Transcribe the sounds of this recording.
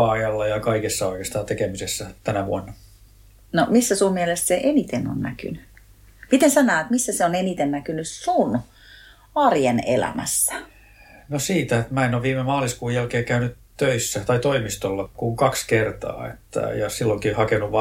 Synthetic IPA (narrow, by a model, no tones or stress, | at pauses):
ɑɑjɑlːɑjɑkɑikesːɑoikest̪ɑːnt̪ekemisesːæt̪ænæʋuonːɑ | nomisːæsummielest̪seʔenit̪eno̰nnæ̰ky̰ny | mit̪ensænːæːt̪misːæseonenit̪ennækynyssun | ɑrjenḛlæ̰mæ̰sːæ̥ | nosiːt̪æet̪mæenoʋʋiːmemɑːliskuːjælkeːkæynyt | t̪øisːæt̪ɑit̪oimist̪olːɑkuŋkɑkskert̪ɑ̰ːḛt̪ːæ̰jɑsilːoŋkihɑkenuʋʋɑ